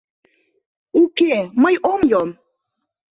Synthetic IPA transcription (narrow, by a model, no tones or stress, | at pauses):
ukeməjomjom